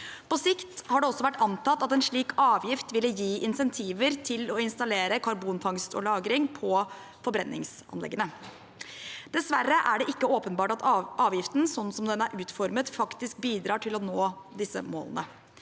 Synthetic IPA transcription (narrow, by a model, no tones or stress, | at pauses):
pɔsɪkt̪hɑɖɛɔsːɔʋæʈːɑnt̪ɑt̪ːɑt̪ɛnʂɭiːkʰɑːʋjɪft̪ʋɪlːəjiːʔɪnsɛnt̪ʰiːʋəɾt̪ʰɪlɔɪnst̪ɑleːɾəkʰɑɾbuːnfɑŋst̪ʰɔ̰lɑːɡɾɪŋpʰɔ | fɔɾbɾɛnːɪ̰ŋs | ɑ̰nlɛ̰ɡːənə | d̪̥ɛsʋæɾəʔæɖɛʔɪkːəoːpənbɑːʈɑt̪ʔɑːʋjɪft̪n̩sɔnːn̩sɔmd̪ɛnæɾʔʉːt̪fɔɾmət̪fɑkt̪ɪsk̚biːd̪ɾɑːʈʰɪlɔnoːd̪ɪsːə̰mo̰ːlənə